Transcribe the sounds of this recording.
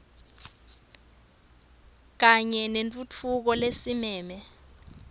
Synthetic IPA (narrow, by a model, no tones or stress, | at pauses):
k̬aɲɛnent͡fʼut͡fʰuk̬ɔlesimɛːmɛ